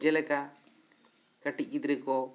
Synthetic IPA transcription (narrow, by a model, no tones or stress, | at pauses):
d͡ʒɛlɛka | kaʈic̚ˀkid̪ɾɛkɔ